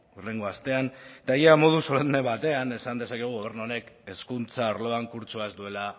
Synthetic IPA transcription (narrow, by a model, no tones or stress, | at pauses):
uɾle̞ŋɡoast̪e̞ant̪aejamo̞ð̞usolneβat̪e̞ane̞sand̪e̞sakeɣ̞uɣo̞β̞e̞ɾnuone̞ke̞skunt͡saoɾlo̞aŋkuɾt͡soaezd̪ue̞la